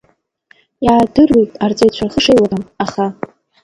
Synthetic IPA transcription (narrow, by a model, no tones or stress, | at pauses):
jaːdɨrwejtʼart͡sʼajt͡ɕʷʰarχəʂejlaramaχa